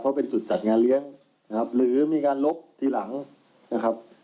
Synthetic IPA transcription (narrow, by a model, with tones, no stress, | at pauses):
pʰɔ˦˥pe˧nt͡ɕu˨˩t̪̚t͡ɕa˨˩t̪̚ŋaː˧nlɯ˦˥əŋ | n˦kʰa˦˥p̚lɯː˩˦miː˧kaː˧nlo˦˥p̚t̪ʰiː˧˩la˩˦ŋ | na˦˥kʰa˦˥p̚